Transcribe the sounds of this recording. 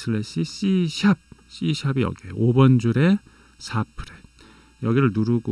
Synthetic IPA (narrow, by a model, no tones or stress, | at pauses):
sʰɯɭeɕ͈iɕ͈iɕʰab̚ɕ͈iɕʰabijʌ̰ɡieʔobʌnd͡ʑuɾe̞ | sʰapʰɯɾe | jʌɡiɾɯɭnuɾuɡo